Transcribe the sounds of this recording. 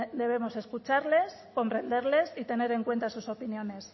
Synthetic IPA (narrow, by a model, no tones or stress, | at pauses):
d̪e̞β̞e̞mo̞se̞skut͡ʃaɾle̞sko̞mpɾe̞nd̪eɾle̞sit̪e̞ne̞ɾe̞ŋkwe̞nt̪asuso̞pinjo̞ne̞s